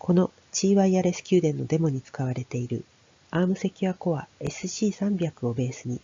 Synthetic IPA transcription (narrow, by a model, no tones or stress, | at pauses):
kʰo̞no̞ | t͡ɕiːβaiaɾe̞sɨ̥kʲɨːd̪ẽ̞nːo̞d̪e̞mo̞ɲ̟it͡sɨ̥kaβaɾe̞t̪e̞iɾɯ̟̰ | aːmɯ̟se̞kʲiβako̞βae̞sɨɕiːsãmbʲakɯ̟o̞be̞ːsɨɲ̟i